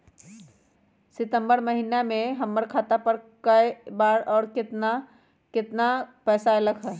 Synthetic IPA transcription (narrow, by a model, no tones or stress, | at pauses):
sɪt̪ə̃mbəɾmɐɦiːnamẽɦɐmːəɾkʰaːt̪apəɾkɐebaːɾɔːɾkɪt̪na | kɪt̪napɛːsaɐləɡɦɛː